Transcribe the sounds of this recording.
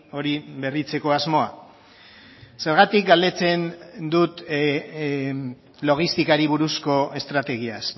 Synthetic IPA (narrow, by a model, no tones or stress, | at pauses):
o̞ɾiβe̞rit͡se̞ko̞azmo̞a | se̞ɾɣat̪ik̚ɡald̪e̞t͡se̞nd̪ut̪ | lo̞ɣ̞ist̪ikaɾiβ̞uɾusko̞e̞st̪ɾat̪e̞ɣ̞ias